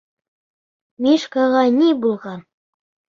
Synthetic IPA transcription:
mʲiʃkɑʁɑnʲibulˠʁɑn

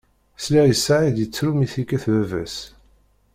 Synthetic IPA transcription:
slæjəsaʕid̪jət͡sːɾumiθikːæθvævæ̰s

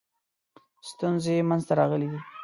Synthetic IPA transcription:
st̪unzemanzt̪aɾɑɣəled̪i

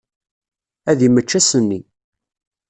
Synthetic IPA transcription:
æðimət͡ʃːæsənːi

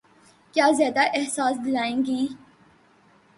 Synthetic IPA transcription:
kjaːzjaːd̪aʔehsaːsd̪ɪlaːẽːŋɡiː

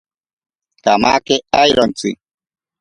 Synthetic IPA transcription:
kamakeajɾɔnt͡sḭ

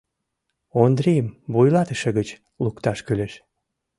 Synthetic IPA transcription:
ond̪ɾijəmbujlɑt̪əʃeɣət͡ɕ | lukt̪ɑʃkyleʃ

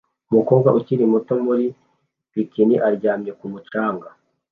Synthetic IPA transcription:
umuko̞ːɡaʔuciɾimuto̞muɾi | wikiniʔaɾɟaːmɲekumut͡ʃaːŋɡa

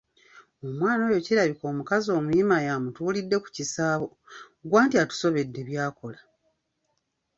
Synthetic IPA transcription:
omwaːnoːjo̞ciɾaβiko̞ːmukazo̞ːmuimajamutuːlidːe̞ku̥cisaːβo̞ | ɡwaːntiatu̥so̞βe̞dːe̞βjaːko̞la

